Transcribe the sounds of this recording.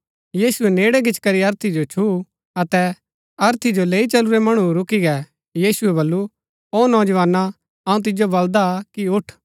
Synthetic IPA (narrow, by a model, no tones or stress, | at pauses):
jiːsʊɛneːɽɛɡɪt͡ʃkɐɾiɐɾt̪ʰid͡ʒot͡ʃʰu | ɐt̪ɛ | ɐɾt̪ʰid͡ʒoleːit͡ʃɐluɾɛmɐɽ̃uɾʊkiɡɛ | jiːsʊɛbɐlːu | oːnɔːd͡ʒʋaːnːa | ɐũt̪̬ɪd͡ʒjobɐld̪akiʊʈʰ